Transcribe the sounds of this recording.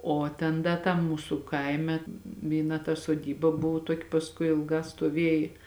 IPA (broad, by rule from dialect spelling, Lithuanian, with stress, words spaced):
oː ˈtʲɛn ˈdɐ tɐm ˈmuːsʊ ˈkɐɪmʲɛ ʋʲiːˈnɐ tɐ soːˈdʲiːbɐ ˈbʊʋʊ ˈtuɔkʲɪ pɐsˈkʊɪ ɪlˠˈɡɑː stuɔˈʋʲeːjɪ